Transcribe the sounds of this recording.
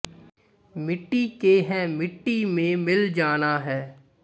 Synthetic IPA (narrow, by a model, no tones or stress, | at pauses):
mɪʈːikeɦɛ̃ːmɪʈːimẽmɪld͡ʒaːnaɦɛː